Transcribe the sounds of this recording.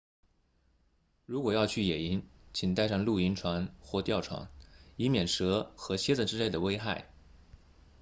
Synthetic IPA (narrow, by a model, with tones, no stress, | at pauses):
ɻu˧˥kwɔ˨˩jɑ˥˧ʊt͡ɕʰy˥˩jɛ˨˩i˧˥nt͡ɕʰi˨˩ŋt̪a˥˧ɪʂɑ˥˧ŋlu˥˩i˧˥nʈ͡ʂʰwa˧˥nxwɔ˥˧t̪jɑ˥˩ʊʈ͡ʂʰwa̰˧˥ni˧˥mjɛ˨˩nʂɤ˧˥xɤ˧˥t͡ɕʰjɛ˥t͡sə˥˩ʈ͡ʂɻ̩˥le˥˩ɪd̪ə˩we˥ɪxa˥˩ɪ